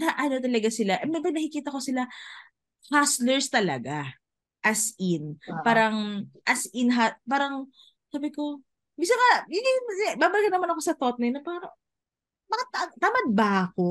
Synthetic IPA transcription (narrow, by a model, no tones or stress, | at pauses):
nɐʔɐnot̪̬ɐlɐɡasɪlaʔɐmmɐnɐkɪkiːt̪ɐko̞sɪla | haslɛɹst̪ɐlɐ̰ɡa | ʔɐsʔɪnpaːɾɐŋʔɐsʔɪnɦapaːɾɐŋ | saːbɪko̞ | bisɐŋɐjʊŋɪbaːbɐlɪkɐnɐmanɐko̞sɐt̪ot̪̚nɐjnɐpaːɾɐ | bɐkat̪at̪amɐd̪̚bɐʔɐko̞